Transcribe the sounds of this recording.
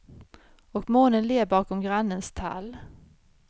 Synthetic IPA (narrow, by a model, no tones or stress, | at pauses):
ɔkmoːnənleːbɑːkɔmɡɾanːənst̪ʰa̰l